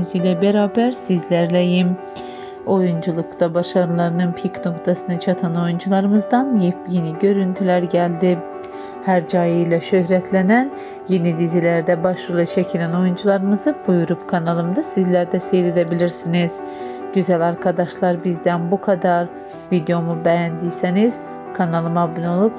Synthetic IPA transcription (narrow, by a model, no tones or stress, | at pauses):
zijlʲɛbeɾaːbæɾsizlʲæɾlʲejim | o̞jund͡ʒulˠukt̪abaʃaɾɯlˠaɾɯnɯnpʰikno̞kt̪ʰasɯnat͡ʃʰat̪ʰano̞jund͡ʒulˠaɾɯmɯzd̪anjipjeniɟø̞ɾynt̪ʰylʲæɾɟælʲd̪i | hæɾd͡ʒajɯjlˠaʃøhɾɛt̪ʰlʲenæn | jenid̪izilʲæɾd̪ɛbaʃɯlˠat͡ʃʰecʰilʲæno̞jund͡ʒulˠaɾɯmɯzɯbujuɾupkʰanalˠɯmd̪ɯsizlʲæɾd̪ɛsejled̪ebilʲiɾsiniz̥ | ɟyzælʲaɾkʰad̪aʃlˠaɾbizd̪ænbukʰad̪aɾ | vid̪eo̞mubejænd̪ijseniz̥ | kʰanalˠɯmabinolˠup